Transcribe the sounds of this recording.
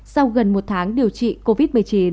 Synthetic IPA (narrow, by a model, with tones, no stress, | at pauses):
sa˧wɣə˨˩nmo˨˩t̚t̪ʰaː˨˦ŋɗi˨˩əwt͡ɕḭ˧˨ko˧vi˦˥t̚mɨ˨˩əjt͡ɕi˨˦